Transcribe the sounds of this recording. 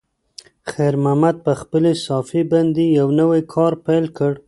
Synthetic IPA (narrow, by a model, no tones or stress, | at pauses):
xaɾmamad̪̚pəxpəlesɑfiband̪ejawnəwajkʰɑɾpajlkəɽ